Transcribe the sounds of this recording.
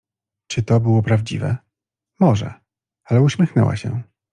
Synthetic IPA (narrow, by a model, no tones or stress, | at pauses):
t͡ʂɘt̪ɔbɘwɔpɾavd͡ʑivɛ̰ | mɔʐɛ̰ | alɛuɕmʲɛxnɛ̰wa̰ɕɛ̰